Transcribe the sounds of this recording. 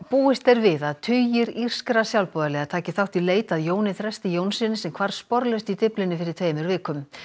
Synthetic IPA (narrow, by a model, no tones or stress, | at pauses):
puːɪst̪ɛɾvɪðaðt̪ʰʏjɪɾir̥skɾasjawlpɔːðalɛɣat̪ʰaːcɪθawht̪ileːjt̪aðjoːwnɪθɾɛst̪ɪjoːwnsɪnɪsɛmkʰvaɾ̥spɔɾlœst̪it̪ɪplɪnɪfɪɾɪɾ̥t̪ʰveːjmʏɾvɪːkʏm